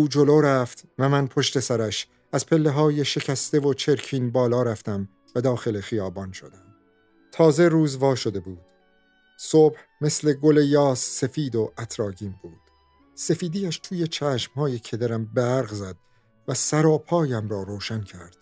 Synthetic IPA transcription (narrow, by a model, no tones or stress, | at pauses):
uːd͡ʒo̞loːɾæft̪væmænpʰo̞ʃt̪e̞sæɾæʃ | æz̥pʰe̞lːe̞ɦɒːje̞ʃe̞cʰæst̪e̞vo̞t͡ʃʰe̞ɾkʰiːnbɒːlɒːɾæft̪æm | væd̪ɒːxe̞lexijɒːbɒːnʃo̞d̪æm | t̪ʰɒːze̞ɾuːzvɒːʃo̞d̪e̞buːd̪̥ | sob̥h | me̞sle̞ɡo̞le̞jɒːsːe̞fiːd̪o̞ʔæt̪ʰɾɒːɟiːmbuːd̪̥ | se̞fiːd̪iːæʃt̪ʰuːje̞t͡ʃʰæːʃmhɒːje̞cʰe̞d̪æɾæmbæɾɡzæd̪̥ | væsæɾɒːpʰɒːjæmɾɒːɾoːʃæncʰæɾd̪̥